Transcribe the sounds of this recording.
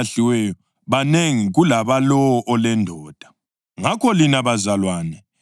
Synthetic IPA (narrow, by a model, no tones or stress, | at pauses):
ɬiwɛjɔ | βaneŋiɣulaβalɔwɔʔɔlɛndʱɔːd̥ʱḁ | ŋakʰɔlinaβazalwaːnɛ